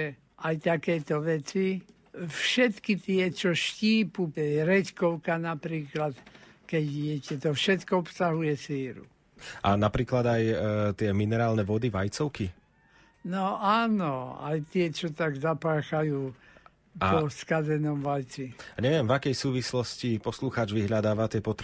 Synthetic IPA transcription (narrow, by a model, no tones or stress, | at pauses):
ajt̪akɛːt̪ɔʋɛt͡si | fʃɛt̪kit̪ɪɛt͡ʃɔʃciːpuɛɾɛt͡ʃkɔʊkanapɾiːklat̪ | kɛɟɪjɛcɛt̪ɔfʃɛt̪kɔɔpsaɦujɛsiːɾṵ | ʔanapɾiːklad̪ajt̪ɪɛminɛɾaːlnɛʋɔd̪iʋajt͡sɔʊki | nɔaːnɔa̰jt̪ɪɛt͡ʃɔt̪aɡzapaːxajuː | ɔskazɛnɔmʋajt͡siɲɛʋɪɛmvakɛjsuːʋislɔscipɔsluxaːd͡ʒʋiɦʎad̪aːʋat̪ɪɛpɔt̪ɾ